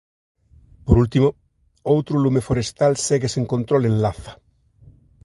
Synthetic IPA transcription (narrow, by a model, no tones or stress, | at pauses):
poɾult̪imo | owt̪ɾolumefoɾest̪alseɣeseŋkont̪ɾolẽnlaθḁ